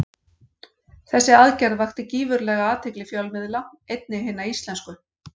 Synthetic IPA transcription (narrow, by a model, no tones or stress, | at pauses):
θɛsːɪaðcɛɾðvaxt̪ɪciːvʏɾlɛːɣaaːt̪ʰɪklɪfjœwlmɪðlaejt̪̚nɪɦɪːnːaist̪lɛnskʏ